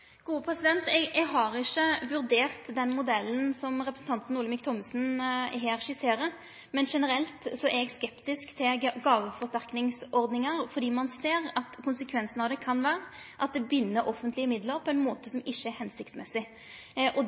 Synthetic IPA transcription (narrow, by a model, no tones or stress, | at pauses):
ɡ̥uːəpʰɾɛsɪd̪ɛnt̪ɛɡɛɡɦɑɾɪçəʋʉɾd̪eːʁt̪d̪ɛnmʊd̪ɛlːən̩sɔmɾɛpɾəsn̩t̪ɑnt̪n̩uːləmɪk̚t̪ʰɔmsn̩ɦeːɾʃɪseːɾə | mɛnʂɛnəɾɛlt̪sɔʔɛɡskɛpt̪ɪskt̪ʰɪɡɑːʋəfɔʁst̪æʁknɪŋsɔɾd̪nɪŋɑɾfɔɾd̪iːmɑnseːɾɑt̪kʰʊnsəkʰʋɛnsnɑʋd̪ɛkʰɑnʋæːɾəʔɑt̪̚d̪ɛbʏnːəɾʔɔfːənt̪lɪəmɪd̪ləɾpʰɔɛnmoːt̪əsɔmɪçːəɛɾhɛnsɪk̚t̪smɛsɪ | ʔɔ